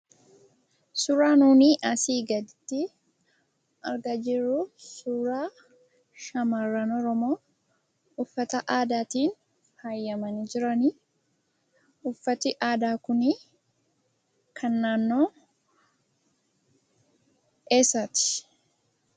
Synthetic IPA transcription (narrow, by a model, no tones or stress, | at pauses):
sʊɾaːnuːniːʔɐsiːɡɐd̪ɪt̪ːɪ | ʔɐɾɡɐd͡ʒɪɾusʊɾaː | ʃɐmarːɐnɔɾɔmo̞ː | ʊfːɐt̪ɐʔaːd̪aːt̪iːn | hɐjːɐmɐnid͡ʒɪɾɐnɪ | ʊfːɐt̪ɪʔaːd̪aːkʊni | kʰɐnːaːnːoː | eːsɐt̪ɪ̥